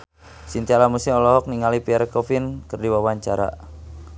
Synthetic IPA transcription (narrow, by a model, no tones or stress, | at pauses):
sint̪iaɾamusɪmɔlɔɦɔk̚niŋalipiɛɾkɔfinkərdiwawaɲt͡ʃaɾa̰